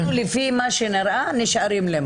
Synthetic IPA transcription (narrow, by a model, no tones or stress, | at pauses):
lɪfimaʃenɪɾʔanɪʃʕaɾimlem